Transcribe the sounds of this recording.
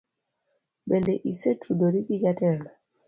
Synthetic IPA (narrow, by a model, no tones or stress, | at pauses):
bɛndɛʔisɛtʰudoɾikiɟatɛla